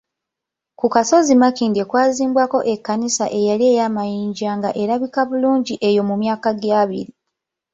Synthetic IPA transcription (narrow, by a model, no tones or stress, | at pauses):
kukaso̞zimakiːndekwaːziːmbwako̞ʔe̞kːanisaʔe̞jalie̞ːjamajiːɲɟaːŋɡaʔe̞ɾaβikaβuluːɲɟiʔe̞jo̞mumjaːkaɡjaːβḭɾi